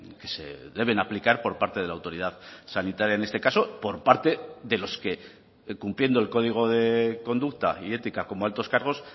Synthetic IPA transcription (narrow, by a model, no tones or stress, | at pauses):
ke̞se̞̰ðe̞β̞e̞naplikaɾpo̞ɾpaɾt̪e̞ð̞e̞lawt̪o̞ɾið̞aðsanit̪aɾjaene̞st̪e̞kaso̞po̞ɾpaɾt̪e̞ðe̞lo̞ske̞ | kumplje̞nd̪oelko̞ðiɣ̞o̞ðe̞ko̞nd̪uk̚t̪a̰ie̞t̪ikako̞moalt̪o̞skaɾɣ̞o̞s